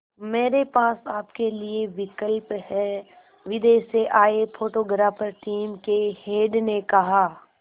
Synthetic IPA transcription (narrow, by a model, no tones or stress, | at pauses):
meːɾepaːsaːpkelieʋɪkəlphɛː | ʋɪd̪eːʃeʔaːepʰoːʈoːɡɾaːfʰəɾʈiːmkeheːɖnekɐɦaː